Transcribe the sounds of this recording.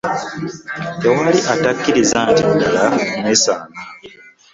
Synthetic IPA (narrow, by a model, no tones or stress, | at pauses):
te̞waliʔatakːiɾizaːntidalamwesaːŋa